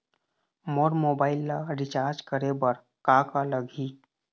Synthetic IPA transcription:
moɾmoːbaːɪlːaɾɪt͡ʃaːɾd͡ʒkəɾebəɾ | kakaləɡʱi

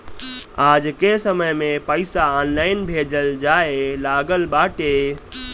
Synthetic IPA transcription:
ad͡ʒkesəməjmepəɪsaɔnlaɪnbʱed͡ʒəld͡ʒaelaɡəlbaʈe

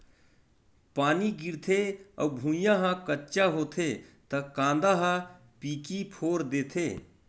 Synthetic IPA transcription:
paːniɡɪɾt̪ʰeɔbʱũːjãɦãkətːt͡ʃaɦoːt̪ʰet̪ɐkãːnd̪aɦã | piːkipʰoːɾd̪eːt̪ʰeː

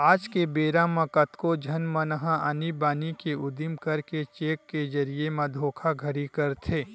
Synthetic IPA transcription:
aːd͡ʒkebeːɾãmɐ̃kɐt̪kod͡ʒʱɐnmɐnɦãʔənibaːnikeʊd̪imkɐɾket͡ʃeːkːed͡ʒɐɾiemɐ̃d̪ʱoːkʰaɡʱɐɾikɐɾt̪ʰeː

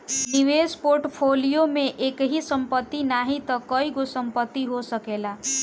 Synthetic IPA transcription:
niʋespoɾʈpʰolijomẽʔekɦisəmpət̪ːinaɦit̪ʌkʌiɡosəmpət̪ːiɦosəkela

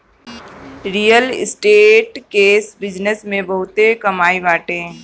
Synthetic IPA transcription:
ɾiːjəlɪ̰sʈeːʈkeːsbɪd͡ʒnəsmẽbɐɦʊt̪ekɐmaːiʋaːʈẽː

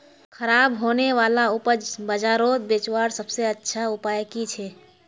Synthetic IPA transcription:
kʰəɾaːbɦoːneʋaːlaʊpəd͡ʒbəd͡ʒaːɾoːt̪̚beːt͡ʃwaːɾsəbseətːʃʰaʊpaːjkit͡ʃʰɛː

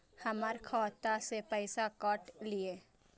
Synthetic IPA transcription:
həməɾkʰɔːt̪asepəːɪsakɔːʈlieː

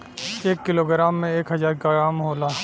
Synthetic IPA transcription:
eːkːɪloːɡɾaːmːẽeːkɦɐzaːɾkaaːmɦoːlaː

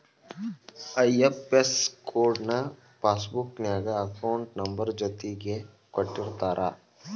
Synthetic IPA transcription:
ɐjepeskoːɾɖnɐ | paːsbʊknjaːɡaɐkaʊɳʈnɐmbəɾd͡ʒɐt̪ike | kɐʈːɪɾt̪aːɾʔa̰ː

